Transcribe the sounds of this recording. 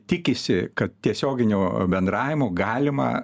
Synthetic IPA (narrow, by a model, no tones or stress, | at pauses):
tʲɪkʲɪsʲɪkɐt̪̚t̪ʲiɛsʲoːɡʲɪnʲuːbʲɛnd̪ɾɑːʋʲɪmuɡɑːlʲɪmɐ̰